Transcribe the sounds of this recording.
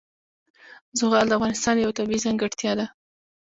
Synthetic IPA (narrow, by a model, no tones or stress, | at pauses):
zʊɣɑld̪əafɣɑnɪst̪ɑnjawt̪abiizaŋɡaɽt̪jɑd̪a